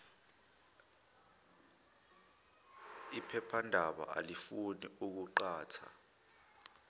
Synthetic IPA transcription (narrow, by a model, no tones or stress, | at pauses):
ipʰɛpʰandʱaɓa̰ʔa̰lifuniuk̬uǃaːtʰa̰